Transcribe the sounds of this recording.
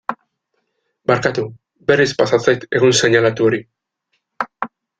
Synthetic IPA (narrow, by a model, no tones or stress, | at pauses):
baɾkat̪u | be̞ɾispasat͡sajt̪e̞ɣunse̞ɲalat̪uo̞ɾi